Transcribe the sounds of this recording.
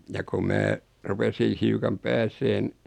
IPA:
jɑ ko mæː rupesiːn̞ hiukɑm pæːseːn

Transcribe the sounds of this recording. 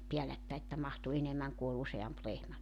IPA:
piælætːæi etːæ mɑhtu enemːæŋ ku ol useɑmp lehmæ

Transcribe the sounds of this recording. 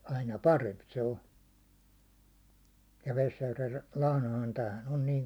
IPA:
ɑinɑ pɑremp se o jɑ ʋesjærʋel lɑhnɑhɑn tæːhæn on niːŋ

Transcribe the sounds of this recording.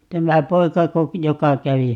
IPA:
tæmæ poikɑko jokɑ kæʋi

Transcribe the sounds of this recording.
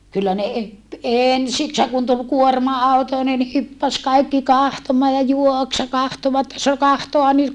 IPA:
kylːæ ne e eˑnsikshæŋ kun tul kuormɑɑˑuto ni ne hypːæs kɑikːi kɑhtomɑː jɑ juoks jɑ kɑhtoʋɑt sɑ kɑhtoɑ nyt

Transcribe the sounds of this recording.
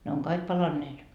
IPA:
ne oŋ kɑik pɑlɑnːeːt

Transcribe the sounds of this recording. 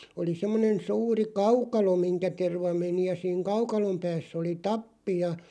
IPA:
oli semːonen suːri kɑukɑlo miŋkæ terʋɑ meni jɑ siːŋ kɑukɑlom pæːsː oli tɑpːi jɑ

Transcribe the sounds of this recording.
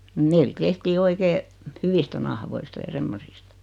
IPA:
meil tehtiː oikeː hyʋistæ nɑhoistɑ jɑ semːosistɑ̥

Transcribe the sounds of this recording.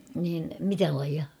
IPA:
niːn mitæ lɑijɑ

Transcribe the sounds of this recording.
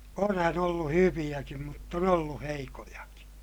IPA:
onhæn olːu hyʋij̆ækim mutː on olːu heikojɑki̥

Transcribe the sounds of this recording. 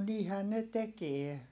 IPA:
niːhæn ne tekie

